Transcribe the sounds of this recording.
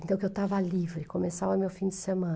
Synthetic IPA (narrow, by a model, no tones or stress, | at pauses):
ẽt̪ɐ̃w̃kewt̪avɐlivɾɪkomesavɐmewfĩd͡ʒ̪ɪsemɐ̃